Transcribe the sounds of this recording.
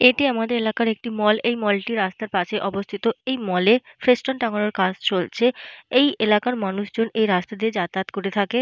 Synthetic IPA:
eʈiamad̪eɾelakaɾek̚ʈimɔlejmɔlʈiɾast̪aɾpaʃʰeʔɔbost̪ʰit̪oejmɔlefɾesʈonʈaŋoɽoɾkad͡ʑt͡ɕolt͡ɕʰeejelakaɾmanuʃd͡ʑonejɾast̪ad̪eɾd͡ʑat̪at̪koɾet̪ʰake

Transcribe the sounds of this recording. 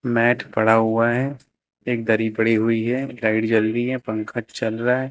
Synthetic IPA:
mɛːʈʰpɐɽaɦʊaɦɛ | eːk̚d̪ɐɾipəɽiɦuiɦɛɾaːɪɖd͡ʒəlɾiɦɛpə̃ŋkʰət͡ʃt͡ʃɐlɾaɦɛ

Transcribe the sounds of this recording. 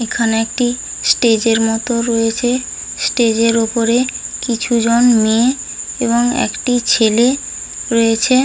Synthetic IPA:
ekʰaneɛk̚ʈi | sʈed͡ʑeɾmɔt̪oɾojet͡ɕʰe | sʈed͡ʑeɾupoɾekit͡ɕʰud͡ʑonmee | eβoŋɛ̰kʈit͡ɕʰele | ɾojet͡ɕʰe

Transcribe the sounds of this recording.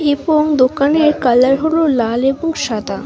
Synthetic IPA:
eboŋd̪okaneɾkalːaɾɦololaleboŋʃad̪a

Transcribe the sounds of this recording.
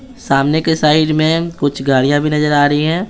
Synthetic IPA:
saːmnekesaːɪɖmẽkʊt͡ʃʰɡaːɽijãbʱinɐzəɾaːɾɐiɦɛ̃ː

